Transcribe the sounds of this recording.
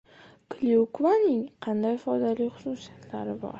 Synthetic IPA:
kʰlʲiukvanɪŋqʰɑnd̪ajfɒd̪alɪχʊ̥susijat̪laɾɪbɒ̰ɾ

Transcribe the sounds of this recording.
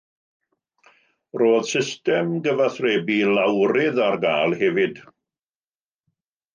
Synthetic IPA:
roːð̥sɪstɛmɡəvaθrɛːbilawɾɪðarɡaːlˠhɛvɪd̥

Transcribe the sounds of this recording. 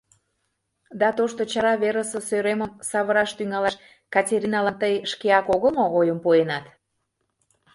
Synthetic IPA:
d̪ɑt̪oʃt̪ot͡ɕɑɾɑβeɾəsə̆søɾeməmsɑβəɾɑʃt̪yŋɑlɑʃ | kɑtʲeɾinɑlɑnt̪əjʃkeɑkoɣəlmoojəmpoenɑt̪

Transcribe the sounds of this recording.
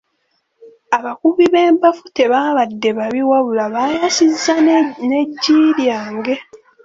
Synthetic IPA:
aβakuβiβe̞ːmpafute̞βaːβadːe̞βaβiwaβulaβajasizːane̞ɟːiːɾjaːŋɡe̞

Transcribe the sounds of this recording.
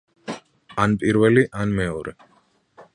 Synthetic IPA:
anpʼiɾvɛliʔanmɛɔɾɛ

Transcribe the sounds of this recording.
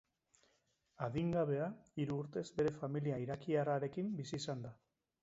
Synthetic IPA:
aðiŋɡaβ̞e̞aiɾuːɾt̪e̞zbe̞ɾe̞familiaiɾakiaraɾe̞kimbisiːsand̪a

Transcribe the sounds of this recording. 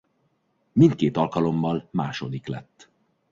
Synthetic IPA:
mint̪̚keːt̪ɒlkɒlo̞mːɒlmaːʃo̞d̪iklɛ̰t̪ː

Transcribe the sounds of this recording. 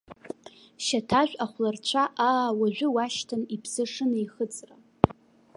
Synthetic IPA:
ʃatʰaʒʷᶣʼaχʷlart͡ɕʷʰaʔaːwaʒʷᶣʊwaʃtʰanipʰsɨʂɨnaiχət͡sʼra

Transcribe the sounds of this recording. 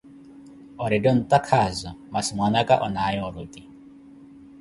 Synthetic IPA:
ɔɾɛdɔn̩t̪akʰazɔmasimwanakaʔɔnajɔɔɾut̪i

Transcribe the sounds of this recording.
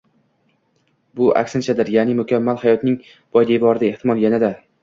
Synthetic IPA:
bʊʔa̰kʲsɪnt͡ʃʰad̪ɪɾjaːnɪmʊkʲʰamːalˠhajɒt̪nɪŋ | b̥ɒjd̪ebɒɾɪd̪ae̞ht̪ʰɪmɒlˠjanad̪a

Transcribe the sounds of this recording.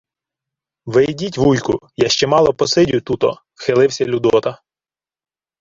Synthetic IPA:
ʋɪjdʲitʲʋujkʊjɑʃt͡ʃɛmɑlˠɔpɔsɪdʲʊjt̪ut̪ɔ | xɪlˠɪwsʲɐlʲʊd̪ɔt̪ɐ

